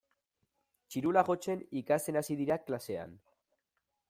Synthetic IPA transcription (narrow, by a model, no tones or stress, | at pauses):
t͡ʃiɾulaɣo̞t͡se̞nikast̪e̞nasiðiɾaklase̞a̰n